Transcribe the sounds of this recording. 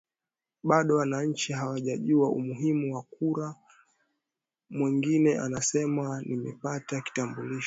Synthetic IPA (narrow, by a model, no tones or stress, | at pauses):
ɓaɗɔwanaɲ̩t͡ʃiɦawaʄaʄuaumuɦimuwakuɾa | mwiŋɡinɛʔanasɛmanimɛ̰pataki̥tambuliʃ